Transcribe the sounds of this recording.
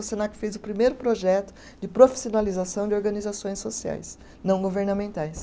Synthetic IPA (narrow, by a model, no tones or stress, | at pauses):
osenakɪ̥fezʊpɾimejɾʊpɾoʒɛt̪ʊ̥ | d͡ʒɪpɾofi̥sionalizasɐ̃w̃d͡ʒɪoɾɡɐnizasõj̃sosia̰js | nɐ̃w̃ɡoveɾnɐmẽnt̪ajs